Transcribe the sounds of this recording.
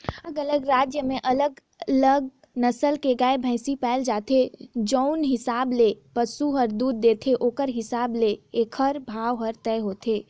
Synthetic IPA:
əɡələɡɾaːd͡ʒjəmẽʔɐləɡ | ləɡ̚ | nəsəlkeɡaːebʱə̃ɪsipɛːld͡ʒaːt̪ʰed͡ʒɔʊnɦɪsaːblepəsuɦəɾd̪uːd̪̚ːeːt̪ʰeʔoːkəɾɦɪsaːbleeːkʰəɾbʱaːʋɦəɾt̪ɛːɦoːt̪ʰeː

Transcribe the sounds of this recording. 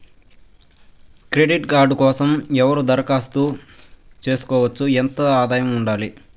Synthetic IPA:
kɾeɖiʈɡaːɾɖukɔːsɐmɛʋɐɾud̪ɐɾɐkaːst̪uːt͡ʃe̞ːsu̥kɔːʋɐt͡ʃːuɛnt̪ɐaːd̪aːjɐmuɳɖaːli

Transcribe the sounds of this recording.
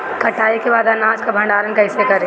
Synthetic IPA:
kɐʈaːikebaːd̪anãːd͡ʒkabʱɐ̃ɳɖaːɾənkɐɪsekɐɾe

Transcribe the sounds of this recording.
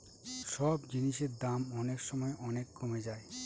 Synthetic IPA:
ʃɔbd͡ʑiniʃeɾd̪amɔnekʃɔmɔeʔɔnekːomed͡ʑae

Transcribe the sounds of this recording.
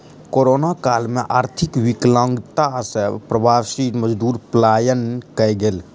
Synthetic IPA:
koːɾoːnakaːlmẽʔaːɾt̪ʰɪkwɪklə̃ŋɡt̪asepɾəbaːsit̪məd͡ʒd̪uːɾplaːjənkəjɡel

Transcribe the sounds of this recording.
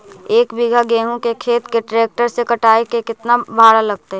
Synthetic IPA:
eːkbɪɡʱaɡeːɦõkekʰeːt̪keʈɾeːk̚ʈəɾsekəʈaːekekɪt̪nabʱaːɽalɐɡ̚t̪aɦɛ

